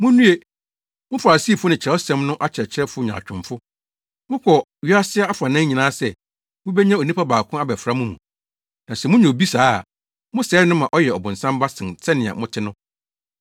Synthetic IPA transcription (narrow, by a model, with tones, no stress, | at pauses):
mʊ̃˦nũ˦e˦ | mʊ̃˦fa˨a˨si˦˨fʊ˦nɪ̃˨t͡ɕʰɾɛ˨˦ɔ˦sɛ̃˦mnʊ̃˦ʔa˦t͡ɕʰɾɛ˨t͡ɕʰɪ˦ɾɛ˦fʊ˦ɲã̰˨t͡ɕᶣʰʊ̃˨mfʊ˦ | mʊ̃˦kʰɔ˨ | ɥi˦a˦sɪ˦a˦a˦fa˨nã˦ɲĩ˨nãː˦sɛ˨ | mʊ̃˦bɛ˦ɲã˦o˨nĩ˦pʰa˦baː˨kʰʊ̃˦a˦bɛ˨fɾa˦mũ˦mũ˨ | nã˨sɛ˨mʊ̃˦ɲɛ̃˨bi˦saː˦˨ | mʊ̃˦sɛː˨˦nʊ̃˦mã˨ʔɔ˦jɛ˨ɔ˨bʊ̃˨n̩sã˦m˦ba˦sɪ̃˨nsʰɛ˦nɪ̃˨a̰˨mʊ̃˦tʰɪ˦nʊ̃˦